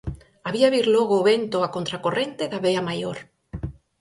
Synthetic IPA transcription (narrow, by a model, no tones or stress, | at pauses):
aβiaβiɾloɣoːβent̪oakont̪ɾakorent̪eðaβeamajoɾ